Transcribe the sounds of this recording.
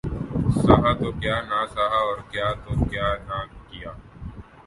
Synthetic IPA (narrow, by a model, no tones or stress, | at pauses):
saɦat̪okjaːnasaɦaɔːɾkjaːt̪okjaːnakijaː